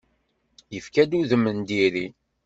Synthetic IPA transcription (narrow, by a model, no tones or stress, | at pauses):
jəfkæd̪uðəmːənd̪iɾi